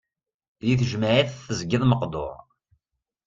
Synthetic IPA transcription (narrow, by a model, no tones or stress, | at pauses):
jiθəʒməʕiθθəzɡɪðˤməqd̪ˤo̰ɾ